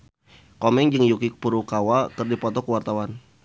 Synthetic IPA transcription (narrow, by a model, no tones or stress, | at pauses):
kɔmɛŋd͡ʒɨŋjukik̚puɾukawakɨrdipɔt̪ɔkəwart̪awan